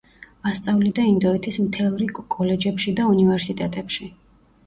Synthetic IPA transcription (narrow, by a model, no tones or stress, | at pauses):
ast̪sʼavlid̪aind̪ɔɛt̪ʰismt̪ʰɛlˠɾikʼɔlɛd͡ʒɛpʃid̪aunivɛɾsit̪ʼɛt̪ʼɛpʃi